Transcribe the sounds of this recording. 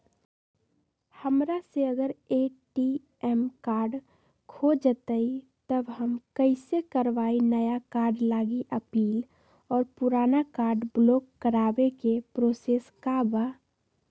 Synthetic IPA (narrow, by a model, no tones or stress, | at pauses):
həmɾaseəɡəɾeʈi | ɛmkaːɾɖ | kʰod͡ʒət̪əi | t̪əbɦəmkəɪsekəɾʋaːinəjakaːɾɖlaːɡiʔəpiːl | ɔːɾpʊɾaːnakaːɾɖbloːkːəɾaːbekepɾoseːskabaː